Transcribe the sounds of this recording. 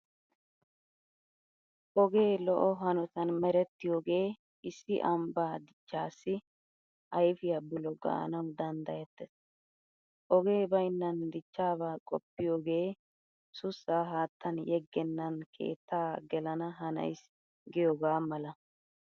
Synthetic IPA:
ʔɔɡe̞ːlɔʔɔɦɐnɔt̪ɐnmɛɾɛt̪ːɪjoːɡe̞ː | ʔɪsːɪʔɐmbaːd̪ɪt͡ʃːaːsːɪ | ʔɐjfɪjɐbʊlɔɡɐ̰ʔɐ̰nɐwd̪ɐnd̪ɐjɛt̪ːɛs | ʔɔɡe̞ːbɐjnːɐnd̪ɪt͡ʃːaːβaːkʼɔ̰pːɪjoːɡe̞ː | sʊsːaːɦaːt̪ːɐnjɛɡːɛnːɐnkʰe̞̰ːt̪ːaːɡɛlɐnɐɦɐnɐ̰js | ɡɪjoːɡaːmɐlɐ

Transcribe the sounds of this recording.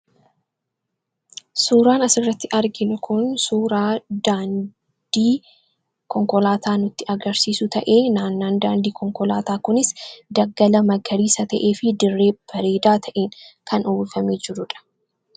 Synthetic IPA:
suːɾaːnɐsɪrːɐt̪ːɪʔɐɾɡɪnʊkʰʊnsuːɾaːd̪aːn | d̪̥iː | kɔŋkɔlaːt̪aːnʊt̪ːɪʔɐɡɐɾsiːsʊt̪ɐʔe̞ːnaːnːaːnd̪aːnd̪iːkɔŋkɔlaːt̪aːkʊnɪsd̪ɐɡːɐlɐmɐɡɐɾiːsɐt̪ɐʔe̞ːfɪd̪ɪrːe̞ːb̥ɐɾeːd̪aːt̪ʰɐʔeːŋkɐnuːlfɐmeːd͡ʒɪɾʊᶑɐ̥

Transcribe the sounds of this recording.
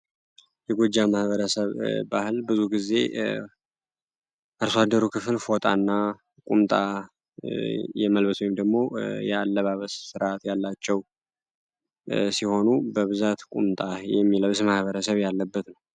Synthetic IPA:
jɛɡod͡ʒːamahβəɾəsəβːa̰hɨlbɨzuɡize̞̰ | ʔɨɾswad̪ːəɾukʰɨflfo̞t̪ʼa̰nːa | kʼumt̪ʼa | jɛməlβət̪wɔjɪmd̪əɡmo̞jɛalːəβaβəssɨɾʔat̪jalːat͡ʃːɛw | siho̞nubəβɨzat̪kʼumt̪ʼajɛmːiləwsmahβəɾəsəβjalːəbːət̪nəw

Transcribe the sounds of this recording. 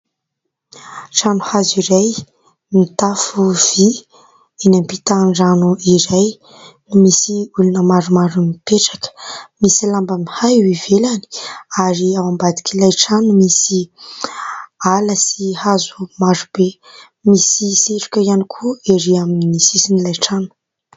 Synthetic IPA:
ʈ͡ʂanuhaziɾaj | mit̪afuv̥i | enampit̪aɳɖ͡ʐanuiɾaj | numisiulunəmaɾumaɾumipeʈ͡ʂḁkə̥misilambəmihajwivelani̥aɾiawambad̪i̥kʲʰilajʈ͡ʂanumisi | aləsihazumaɾub̥e | misiseʈ͡ʂu̥kʲəianikʰueɾiaminimisisinilajʈ͡ʂanu̥

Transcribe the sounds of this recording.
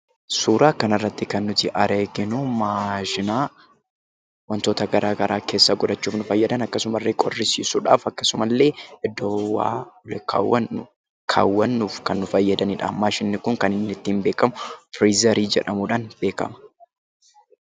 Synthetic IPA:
suːɾaːkɐnɐrːɐt̪ːɪkɐnːʊt̪ɪʔɐɾeːɡɪnʊmaːʃɪnaː | wɐnt̪o̞ːt̪ɐɡɐɾʔaːɡɐɾʔaːke̞ːsːɐɡɔᶑɐt͡ʃːuːfnʊfɐjːɐd̪ɐnɐkːɐsʊmɐrːeːkʼɔrːɪsiːsuᶑaːfɐkːɐsʊmɐlːe̞ːɪd̪ːɔwa̰ːlkʰa̰ːwːɐnːʊ | kʰa̰ːwːɐnːuːfkɐnːʊfɐjːɐd̪ɐniːᶑa̰maːʃɪnːɪkʊŋkɐnɪnːɪt̪ːiːmbe̞ːkɐmʊfɾiːzɐɾiːd͡ʒɛᶑɐmuːᶑaːnb̥e̞ːkɐ̰mɐ̥

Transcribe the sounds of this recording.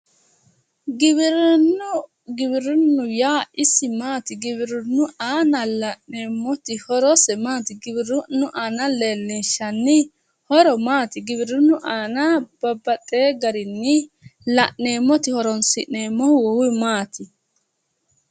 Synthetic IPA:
ɡɪbɪɾʊnːʊ | ɡɪbɪɾʊnːʊjaːɪsɪmaːt̪ɪɡɪbɪɾʊnːʊʔaːnɐlɐʔneːmːɔt̪ɪhɔɾɔsɛmaːt̪ɪɡɪbɪɾʊnːʊʔaːnɐle̞ːlːɪnʃɐnːɪ | hɔɾɔmaːt̪ɪɡɪbɪɾʊnːʊʔaːnɐb̥ɐbːɐt̪ʼːeːɡɐɾɪnːɪ | lɐʔne̞ːmːɔt̪ɪhɔɾɔnsɪʔneːmːɔhwɔwʊmaːt̪ɪ

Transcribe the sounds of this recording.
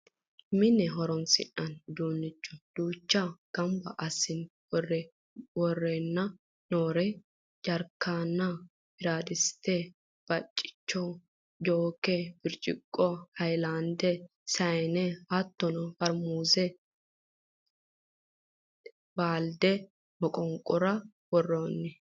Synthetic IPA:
mɪnːɛɦɔɾɔnsɪ̰ʔɐnd̪uːnːɪt͡ʃːɔ̥d̪̥uːt͡ʃːɐɡ̥ɐmbɐʔɐsːɪn | wɔrɛ | wɔrːenːɐ | noːɾɛ | d͡ʒɐɾkːaːnːɐ | bɪɾaːd̪ɪst̪ːɛ | b̥ɐt͡ʃʼːɪ̥t͡ʃːɔ | d͡ʒoːkɛb̥ɪɾt͡ʃʼɪ̰kʼːɔhɐjlaːnd̪ɛ | sɐjɛnɛɐt̪ːɔnɐfɐɾmuːzɛ | baːld̪ɛ | mɔkʼɔŋkʼːɔɾɐ | wɔrːoːnːɛ

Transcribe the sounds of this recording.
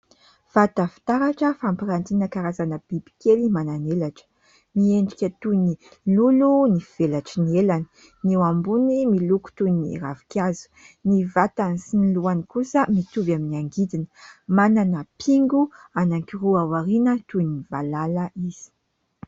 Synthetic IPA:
v̥at̪əfi̥t̪aɾaʈ͡ʂəfampiɾant̪inəkaɾazanəb̥ibi̥kʲelimananelaʈ͡ʂə̥ | mieɳɖ͡ʐikʲət̪uni | lulunifiv̥elaʈ͡ʂinielanə̥ | newambunimiluku̥t̪uniravi̥kʲazu̥ | nivat̪anisiniluanikusəmit̪uvaminiaŋɡid̪inəmananəpʰiŋɡuanaŋkiruavaɾinət̪univalaləiz̥i̥

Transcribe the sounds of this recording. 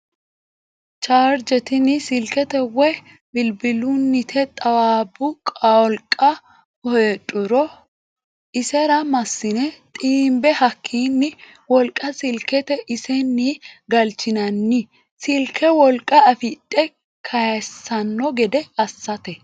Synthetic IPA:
t͡ʃaːɾd͡ʒɛt̪ɪnɪsɪlkɛt̪ɛwɛ | bɪlbɪlʊnːɪt̪ʰɛt̪ʼɐwaːbʊkʼaɔlkʼːɐ | hɔtʼːʊɾɔ | ʔɪsɛɾɐmɐsːɪnɛt̪ʼiːmbɛhɐkʰːiːnːɪ | wɔlkʼːɐsɪlkɛt̪ɛʔɪsɛnːiɡɐlt͡ʃːɪnɐnːɪ | sɪlkʰɛwɔlkʼːɐɐfɪtʼːɛ | kʰɐjsɐnːɔɡɛd̪ɛɐsːɐt̪ɛ

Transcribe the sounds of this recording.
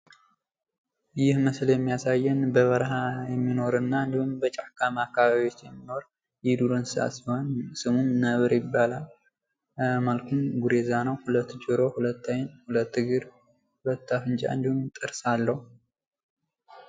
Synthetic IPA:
jɪhməsljɛmːijasajːɛnbəβəɾɦajɛmːino̞ɾɨnːaɨnd̪ihumbət͡ʃʼaħkʰamakʰːaβaβjo̞t͡ʃːjɛmːino̞ɾ | jɪd̪uɾɨnsɨa̰sihonsɨmumnəβɨɾjɪbːalal | malkʰumɡuɾe̞zanəwhulət̪ːd͡ʒɨɾo̞hulət̪ːəɲnhulət̪ːɨɡɨɾ | hlət̪ːafɨnt͡ʃʼa̰ɨnd̪ihumt̪ʼɨɾsalːəhu

